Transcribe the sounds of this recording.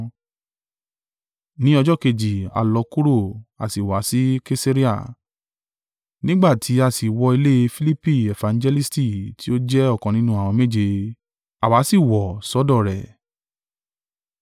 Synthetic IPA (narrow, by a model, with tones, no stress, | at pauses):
nĩ˦ɔ˧d͡ʒɔ˦˨ke˧d͡ʒi˨a̰˧lɔ˧ku˦ɾo˦˨a̰˨si˨wa˨˦si˦ke˦se˦ɾi˦a̰˦˨ | nĩ˦ɡ͡ba˦˨tʰi˨˦a˦˨si˨wɔ˧i˧le˦˧fi˦li˦pi˦˨e˨fã˨n˦d͡ʒɛ˧li˦sti˦˨ti˦o˦d͡ʒɛ˦ɔ˦˨kɔ̃˨nĩ˨˦nũ˦a˦˨w̃ɔ̃˧me˦˨d͡ʒe˧ | a˨wa˨˦si˦˨wɔ˨sɔ˨˦dɔ˦˨ɾɛ̰˨